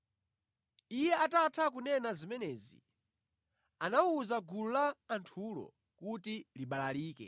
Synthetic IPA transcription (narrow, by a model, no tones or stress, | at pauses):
ijɛatatʰakunɛnazimɛnɛzḭ | anawuzaɡululaːntʰulɔ̰ | kutiliɓalaliːkɛ̰